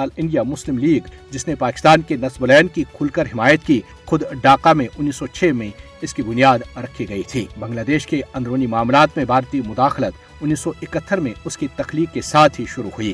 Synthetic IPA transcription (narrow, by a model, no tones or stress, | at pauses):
aːlɪ̃ɳɖijamʊslɪmliːɡd͡ʒɪsnepaːkɪ̥st̪aːnkenɐsbolɛːnkikʰʊlkəɾɦɪmaːjət̪ki | xʊd̪ɖaːqamẽʔʊnːiːsɔt͡ʃʰeːmẽ | ɪskibʊnijaːd̪ɾɐkʰiɡɐit̪ʰiːbɐ̃ŋɡlaːd̪eːʃkeɐ̃nd̪ɾoːnimaːmlaːt̪mẽbʱaːɾt̪imʊd̪aːxlət̪ | ʊnːiːsɔʔɪkət̪ʰːəɾmẽʊskit̪ɐxliːkːesaːt̪ʰɦiʃʊɾuhʊiː